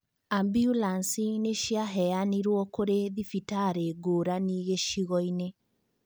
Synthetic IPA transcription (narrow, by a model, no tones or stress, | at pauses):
ambjulansineʃiaɦɛaniɾwɔkoɾeðifitaɾeɡoːɾaniːɣeʃiɣɔine